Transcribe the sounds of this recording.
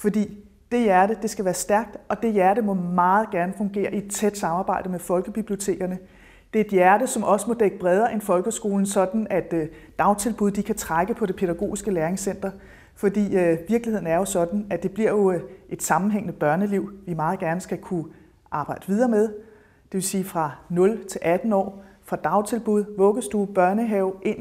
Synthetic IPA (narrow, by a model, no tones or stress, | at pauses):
fɒ̽d̥ḭː | d̥e̝jæɐɾ̥əd̥e̝sɡ̥æʋæːɐsd̥æɐɡ̥̚d̥ɒ̽d̥e̝jæɐɾəmɒ̽mɑ̈ːð̞̩ˠɡ̥æɐnəfɔ̽ŋɡ̥e̝̰ːɐied̥t͡sʰed̥sɑ̈mɑ̈ːbɑ̈ɪ̰d̥əmefɒ̽lɡ̥əb̥ib̥lio̝t͡sʰe̝̰ːɡ̥ɐnə | d̥e̝ed̥jæɐɾəsɒ̽mʔɒ̽səmɒ̽d̥eɡ̥əb̥ʁɛð̞ˠɐʔe̝nfɒ̽lɡ̥əsɡ̥o̝ːln̩sɒ̽d̥n̩æd̥ː | ɑ̈ʊnt͡sʰe̝lb̥uð̞̰ˠd̥ikʰæt͡sʰʁaɡ̥əpʰɒ̽ɾe̝pʰe̝ð̥æɡ̥o̝̰ːisɡ̥əleɐeŋsen̰d̥ɐ | fɒ̽d̥ḭːʋiɐɡ̥lihe̝̰n̩æɐjo̝sɒ̽d̥n̩æd̥e̝b̥liɐ̰jo̝ʔe̝d̥sɑ̈mn̩ɦeŋ̰nəb̥ɶɐnəliʊ̰ʋimɑ̈ːð̞̩ˠɡ̥æɐnəsɡ̥ækʰu | ʔɑ̈ːb̥ɑ̈ɪ̰d̥əʋið̞ˠɐːmeð̞ˠ | d̥e̝ʋe̝lsiːfʁɑ̈nɔ̽lt͡sʰe̝lʔæd̥n̩ɒ̰ːfʁɑ̈d̥ɑ̈ʊt͡sʰe̝lb̥uð̞̰ˠʋɔ̽ɡ̥əsd̥ub̥ɶɐnəɦɛʊʔe̝n̰